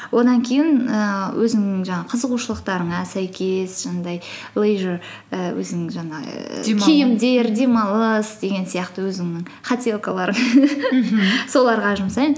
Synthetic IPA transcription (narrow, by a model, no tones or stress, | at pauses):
wo̞d̪ɑŋkʲʰe̞jɪnəwʔɵzɪnnɪŋʒɑɴɑqʰəzəquʃəlˠəqt̪ɑɾəɴɑsæjkʲe̞sʒ̥ɑɴɑd̪ɑj | lˠejʒəɾ | əwɵ̰zɪnɪŋʒɑɴɑ̰kʰijɪmd̪e̞ɾd̪e̞mɑlˠəsd̪e̞ɡʲe̞nsijɑqt̪əwɵzɪŋnɪŋχat̪ʲielˠkalˠɑɾəɴ | so̞lˠɑɾʁɑʒʊmsɑjn